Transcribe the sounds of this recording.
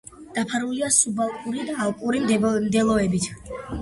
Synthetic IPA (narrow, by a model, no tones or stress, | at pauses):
d̪̥apʰaɾuliasubalˠkʼuɾid̪aːlˠkʼuɾimmd̪ɛlˠɔɛbit̪ʰ